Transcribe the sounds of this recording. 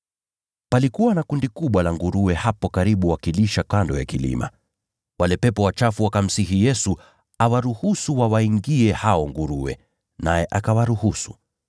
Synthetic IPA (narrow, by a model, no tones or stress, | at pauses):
palikuwanakundikuɓwalaŋɡuɾuwɛhapɔkaɾiɓuwakiliʃakandɔjakilḭma̰ | walɛpɛpɔwat͡ʃafuwakam̩siɦijɛsu | awaɾuhusuwawaiŋɡiɛhaɔŋɡuɾuwɛ̰ | najɛʔakawaɾuhusu̥̰